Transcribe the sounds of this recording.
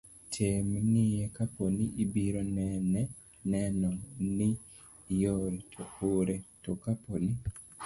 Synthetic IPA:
tʰemŋijekaponiʔibiɾonɛnɛ | nɛnɔni | jɔɾitʰooɾetɔkaponi

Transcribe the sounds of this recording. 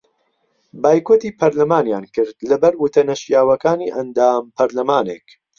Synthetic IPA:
baːjkoːt̪iːpʰɐɾlɐmaːnjaːnkɨɾd̪lɐbɐɾut̪ʰɐnɐʃjaːwɐkaːniːʔɐnd̪aːmpʰɐɾlɐmaːnḛk

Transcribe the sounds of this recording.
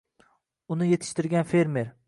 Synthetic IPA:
ʊnɪjet̪ʰɪ̥ʃt̪ɪɾɡʲanfe̞ɾmeɾ

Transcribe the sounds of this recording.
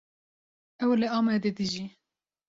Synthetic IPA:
ɛwlɨɑːmɛːd̪ed̪ɨʒi

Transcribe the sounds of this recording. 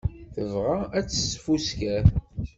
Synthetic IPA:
θəvʁaæt͡sːəsfuskæθ

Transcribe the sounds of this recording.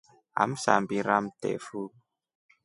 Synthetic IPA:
a̰m̩sa̰mbiɾam̩tɛ̰fu

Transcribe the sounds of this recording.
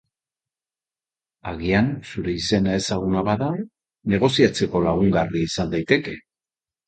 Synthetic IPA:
aɣiansuɾe̞ise̞nae̞saɣ̞unaβaða | ne̞ɣ̞o̞siat͡se̞ko̞laɣ̞uŋɡariisand̪ajt̪eke̞

